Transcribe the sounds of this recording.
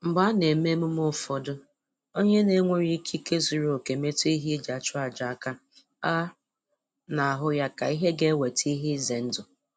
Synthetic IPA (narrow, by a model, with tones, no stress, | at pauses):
m̩˨ɡ͡ba˦ne˨me˦mu˦m˦ʊ˦˨fɔ˨dʊ˦ | o˦ɲe˦ne˨˦ŋʷe˦ɾi˦kʰi˦ke˦zu˨ɾo˦o˨ke˨me˦tu˦i˦ɦi˦d͡ʒa˨t͡ʃʊ˦a˨d͡ʒa˨a˨ka˦ | a˦ | na˨a˨ɦʊ˦ja˦ka˨i˦ɦe˦ɡe˦we˨ti˦ɦi˦ze˨n̩˦dʊ˨